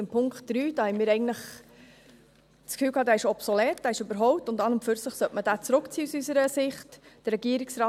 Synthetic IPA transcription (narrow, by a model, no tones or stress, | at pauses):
ɪmpʰʊŋkχt̚d̥ɾyːd̥ɑːhɛɪnmɪːɾɛɪɡən̩tləχ | t͡skfyːlkʰɑːdæːɪʃɔpsolɛːt̚d̥æːɪʃøbəɾɦɔʊp̚tʊndɑnəmføɾsəχsœtmədæːt͡sɾʊkt͡siːusysəɾəsɪχtd̥ərːɛɡiəɾɪksɾɑː